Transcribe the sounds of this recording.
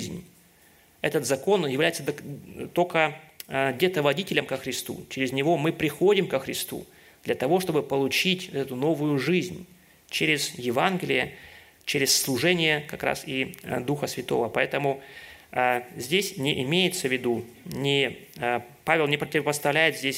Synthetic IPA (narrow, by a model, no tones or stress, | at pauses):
zʲnʲ | ɛt̪ət̪zɐko̞njɪvlʲæjɪt̪səd̪t̪olʲkə | dʲɪt̪əvɐdʲitʲɪlʲəmkəxɾʲɪst̪ṵt͡ɕɪɾʲɪzʲnʲɪvo̞mɨpɾʲɪxo̞dʲɪmkəxɾʲɪst̪ṵ | d̪̥lʲɐt̪ɐvo̞ʂt̪o̞bɨpəlˠʊt͡ɕitʲvt̪ɛt̪ʊno̞vʊjʊʐɨzʲnʲ | t͡ɕeɾʲɪz̥jɪvanɡʲɪlʲɪjə | t͡ɕeɾʲɪsːlˠʊʐɛnʲɪjəkɐkɾa̰sid̪uxəsvʲɪt̪o̞̰vəpɐɛt̪əmʊ | zʲdʲesʲnʲɪʔɪmʲejɪt̪səvʲɪd̪u | nʲɪ | pavʲɪlˠnʲɪpɾətʲɪvəpəst̪ɐvlʲæjɪt̪zʲdʲesʲ